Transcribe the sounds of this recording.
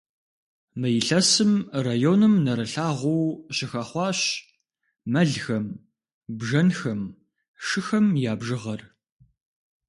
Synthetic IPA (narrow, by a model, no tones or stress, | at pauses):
mɐjɪɬɐsɨmraːjoːnɨmnɐɾɨɬaːʁʷʊwɕɪxɐχʷɑːɕ | mɐɮxɐm | bʒɐnxɐm | ʂɨxɐmjaːbʒɨʁɐr